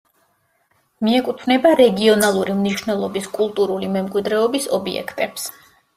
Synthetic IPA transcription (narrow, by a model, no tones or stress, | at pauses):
miɛkʼut̪ʰvnɛbaɾɛɡiɔnalˠuɾimniʃvnɛlˠɔbiskʼulˠt̪ʼuɾulimɛmkʼwid̪ɾɛɔbisɔbiɛ̰kʰt̪ʼɛps